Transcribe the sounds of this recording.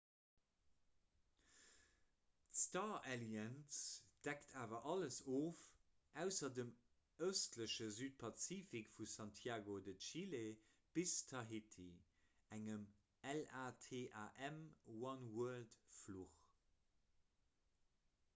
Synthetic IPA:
tstaːeljənsd̥æktʰaːvɐʔɑləsoːf | ʔæʊsɐdəm | əʊstʰləʃəzyːt̚pʰɑt͡siːfikfusɑntʰjaːɡodətʃile | b̥istʰɑɦitʰi | æŋəm | ɛlaːtʰeːʔaːʔɛmwɑnwuɐltfluχ

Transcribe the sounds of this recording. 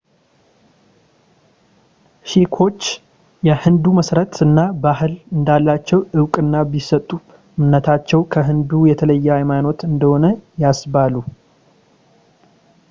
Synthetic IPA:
ʃikʰo̞t͡ʃː | jɛhɨnd̪uməsɾət̪ɨnːabahɨlɨnd̪alːat͡ʃːɛwɨwkʼɨnːabisət̪ʼːu | mnət̪ʰat͡ʃːɛwkʰəɦɨnd̪ujɛt̪ʰələjːɛajmano̞t̪ɨnd̪əho̞nəjasbalu

